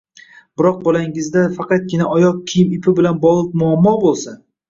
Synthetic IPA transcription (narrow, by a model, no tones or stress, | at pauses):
bɪɾɒq̚bɒlaŋɪzd̪afɑqɑt̪̚ɡʲɪnaʔɒjɒq̚kʲʰijɪmɪpʰɪbɪlanbɒlˠɪp̚mʊamːɒbolˠsa